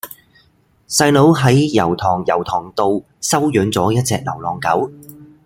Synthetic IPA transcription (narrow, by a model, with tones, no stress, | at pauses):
sɐ˧jlo˨˥wɦɐ˨˥jjɐ˨˩wt̪ʰɔː˨˩ŋjɐ˨˩wt̪ʰɔː˨˩ŋt̪o˧w | sɐ˥wjœː˨˥nt͡sɔː˨˥jɐ˥t̚t͡sɛː˧k̚lɐ̰˨˩wlɔː˨˩ŋkɐ˨˥w